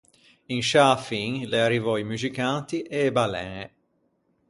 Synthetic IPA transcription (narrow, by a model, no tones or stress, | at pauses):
inʃafiŋlearːivɔimuzikant̪iʔeːbalɛ̰e